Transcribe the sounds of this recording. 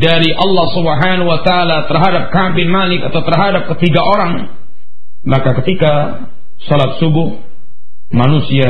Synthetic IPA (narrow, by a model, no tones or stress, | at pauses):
daɾiʔɑlːɑhsubəɦanuwat̪aːlat̪ərɦadap̚kabɪnmalɪkat̪awt̪ərɦadap̚kət̪iɡaʔoɾaŋ | makakət̪ika | salap̪̚subʊh | manusia